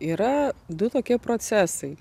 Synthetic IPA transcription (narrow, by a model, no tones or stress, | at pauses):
iːɾɐd̪ʊt̪oːkʲiɛpɾoːt̪sʲæːsɐɪ